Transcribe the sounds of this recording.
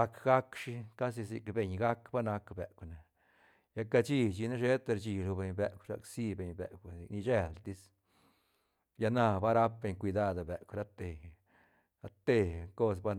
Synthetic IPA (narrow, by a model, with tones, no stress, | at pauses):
a˧kɡa˦kʂi˦ka˦s̬i˧sḭ˨kbe˨ɲɡa˦kba˦na˧kbe˨kʷne˨ | ja˦ka˧t͡ʃi˦t͡ʃi˧na˦ʃe˦t̪e˧ɾt͡ʃi˧˨lu˧be˨ɲbe˨kʷʃa̰˨ksi˦be˨ɲbḛ˨ki˨ni˧d͡ʒe˧˨lt̪i˦s | ja˧na˧ba˦ɾa˦p̚be˨ɲkʷi˧d̪a˦˧d̪a˨be˨ʔkʷɾa˦t̪e˨ | a˦t̪e˧ko˦s̬ba˦